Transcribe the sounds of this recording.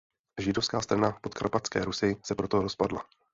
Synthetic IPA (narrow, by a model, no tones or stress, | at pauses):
ʒɪdofskaːst̪ɾanapot̪ka̰ɾpat͡skɛ̰ːɾusɪsɛpɾo̞t̪oɾospadla̰